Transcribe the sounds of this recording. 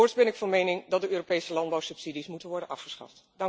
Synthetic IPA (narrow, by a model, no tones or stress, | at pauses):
oɹsbɛnɪkfɑnmejnɪŋdɑtdəøːropejsəlɑndbɑwsɵpsidismutənʋɔɹdənʔɑfχəsχɑ̰ft | d̥ɑŋ